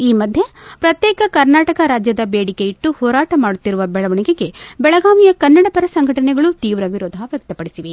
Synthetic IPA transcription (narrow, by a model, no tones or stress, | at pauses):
iːmɐd̪ʱjepɾɐt̪jɛːkɐkɐɾnaːʈɐkɐɾaːd͡ʒjɐd̪ɐbeːɽikeiʈːuhɔːɾaːʈɐmaːɽut̪ːiɾuʋɐbɛɭɐʋɐɳiɡe̞ɡe̞bɛɭɐɡaːʋijɐkɐnːɐɽɐpɐɾɐsɐŋɡʱɐʈɐnɛɡɐɭut̪iːʋɾɐʋiɾoːd̪ʱaʋjɐk̚t̪ɐpɐɽisiʋe